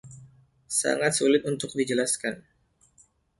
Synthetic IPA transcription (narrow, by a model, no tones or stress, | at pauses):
sa̰ŋat̪̚sulɪt̪̚unt̪ʊk̚did͡ʒəlaskan